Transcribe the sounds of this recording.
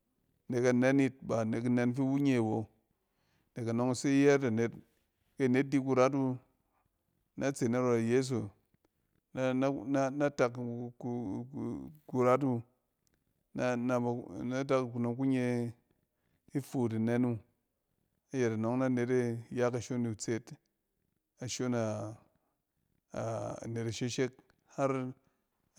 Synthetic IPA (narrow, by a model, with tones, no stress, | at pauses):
ne˨ka˨ne˦ni˦t̚ba˨ne˨ki˦ne˧nfi˦wu˦ɲe˦˨wo˨ | ne˨ka˨no˨˦ŋ˦˨si˦jɛ˦ɾa˨ne˨t | ke˦˨ne˨˦t̚di˦k̬u˧ɾa˦t̬u˦ | na˦t͡se˨na˦ɾo˧˨je˦s̬o˨ | na˦n˦na˦na˦ta˧k | ku˧ɾa˦t̬u˦ | n˦na˨na˦ta˦kku˨no˨ŋku˦ɲe˧ | i˦fu˨t̬i˨ne˦nu˦ | a˦je˨ta˨no˨˦ŋna˦ne˨te˦ja˦ka˨ʃo˦ni˨t͡se˦t | a˨ʃo˦na˨ | ne˨te˨ʃe˦ʃe˦k̚ | ha˦ɾ